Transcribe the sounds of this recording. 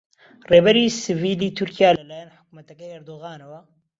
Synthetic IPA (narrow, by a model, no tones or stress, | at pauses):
reːbɛɾiːsɨviːliːt̪ʰʊɾkijaːlɐlaːjanħɨ̥k̚mɐt̪ɐkɛjɐɾd̪oːɣaːnɐwɐ